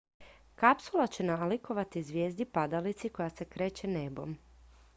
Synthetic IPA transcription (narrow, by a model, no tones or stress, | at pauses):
kapsulˠat͡ɕe̞naliko̞ʋat̪izʋʲjeːzd̪ipad̪alit̪siko̞jase̞kɾe̞ːt͡ɕe̞nebo̞̰m